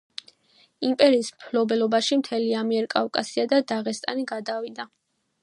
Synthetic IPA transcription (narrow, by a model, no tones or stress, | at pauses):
impʼɛɾiːsmpʰlɔbɛlɔbaʃimt̪ʰɛliamiɛɾkʼafkʼasiad̪ad̪aʁɛst̪ʼa̰niɡad̪avid̪a